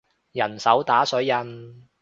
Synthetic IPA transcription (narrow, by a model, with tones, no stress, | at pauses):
jɐ˨˩nsɐ˨˥wt̪aː˨˥sɵ˨˥ɥjɐ˧n